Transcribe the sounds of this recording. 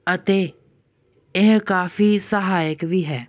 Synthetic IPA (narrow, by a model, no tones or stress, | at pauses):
ət̪eː | eɦkaːfiːsəɦaːjəkbʱiɦɛː